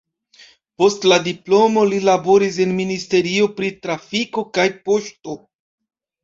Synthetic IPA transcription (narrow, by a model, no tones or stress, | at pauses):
po̞stladiplo̞mo̞lilabo̞ɾis̬e̞nministe̞ɾio̞pɾitɾafiko̞kajpo̞ʃto̞